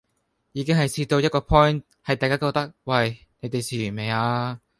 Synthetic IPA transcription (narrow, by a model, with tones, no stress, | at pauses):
jiː˨˧kɪ˥ŋɦɐ˨jsiː˧t̪o˧wjɐ˥t̚kɔː˧pʰɔː˥jn | hɐ˨jt̪aː˨kaː˥kɔː˧t̪ɐ˥k̚wɐ˨˩j | ne˨˧jt̪e˨jsiː˨jyː˨˩nme˨˧jaː˧